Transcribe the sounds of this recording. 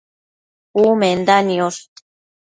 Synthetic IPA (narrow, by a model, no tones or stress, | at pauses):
umend̪anios